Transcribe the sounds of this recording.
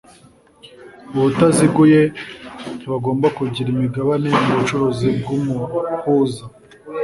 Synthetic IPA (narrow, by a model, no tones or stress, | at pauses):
uβutaziɡuje | βaɡo̞ːmbakuɟiɾimiɡaβane̞muβut͡ʃuɾozib̚ɡumukuza